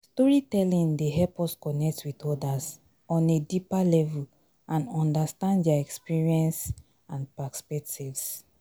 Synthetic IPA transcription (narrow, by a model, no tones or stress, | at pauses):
stɔɹitɛlĩŋdeɦɛlpɔskɔnɛk̚twitɔdas | ɔ̃nedipalɛvul | ʔãnɔ̃ndastãndjaɛkspiɹiɛ̃ns | ãnpaspɛk̚tʰivs